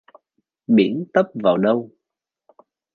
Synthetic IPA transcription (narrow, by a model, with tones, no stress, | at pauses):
ɓi˧˩ənt̪ə˦˥p̚vaː˨˩wɗə˧w